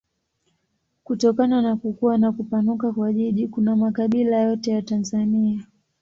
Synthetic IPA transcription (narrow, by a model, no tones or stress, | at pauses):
kutɔkananakukuwanakupanukakwaʄiʄikunamakaɓilajɔtɛjatanzania